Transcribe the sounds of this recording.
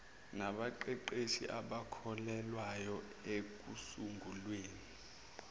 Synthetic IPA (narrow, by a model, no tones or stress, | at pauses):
naɓaǃɛǃeʃḭʔaɓakʰɔlɛlwajɔ | ek̬usuŋɡʱulweːni